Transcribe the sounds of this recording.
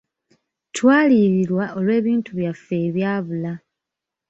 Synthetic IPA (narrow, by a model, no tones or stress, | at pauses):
twaːliːɾiɾwaʔo̞lwe̞ːβiːntuβjafːe̞ːβjaːβula